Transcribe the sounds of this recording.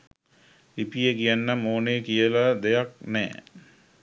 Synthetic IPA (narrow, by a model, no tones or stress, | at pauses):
ipijəkijanːəmoːnekijəlad̪ejak̚nɛ̰ː